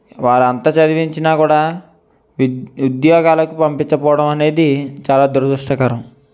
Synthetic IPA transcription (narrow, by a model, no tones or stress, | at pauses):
ʋaːɾɐnt̪ɐt͡ʃɐd̪iʋiɲt͡ʃinaːkuːɽaː | ud̪jɔːɡaːlɐkupɐmpiɲt͡ʃɐpɔːʋɐɽɐmɐne̞ːd̪it͡ʃaːlaːd̪uɾɐd̪uʂʈɐkɐɾɐm